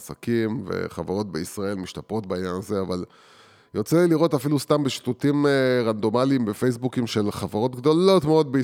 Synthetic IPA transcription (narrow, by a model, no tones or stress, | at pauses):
sakimvḛχavaʁo̞t̪̚be̞isʁae̞lmiʃt̪apʁo̞t̚beiɲjanaze̞aval | jot͡seliʁo̞tafilust̪ambeʃi̥t̪utimʁand̪o̞malimbe̞fejs̬bukimʃe̞lχavaʁo̞t̪ɡd̪o̞lo̞tmeod̪̚be